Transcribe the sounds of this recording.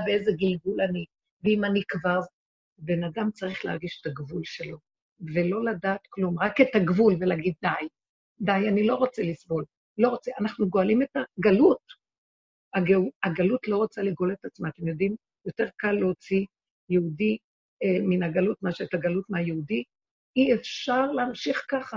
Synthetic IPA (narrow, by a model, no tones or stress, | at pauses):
beezeɡilɡulani | veimanikvaʁ | be̞nadamt͡saʁiχlehaʁɡiʃetaɡvulʃe̞lo̞ | ve̞lo̞ladaːt̪klumʁaketaɡvulvelaːɡid̪̚ːaj | dajanilo̞ʁo̞t͡selisbo̞l | lo̞ʁot͡seanaχnuɡo̞alime̞taɡalut̚ | aɡauaɡalutlo̞ʁo̞t͡saliɡoletat͡smaːt̪e̞mjo̞dim | jo̞te̞ʁkalːeot͡si | jeudi | eminaɡalutmaʃeetaɡalutmeajeudi | iefʃaʁleamʃiχkaχa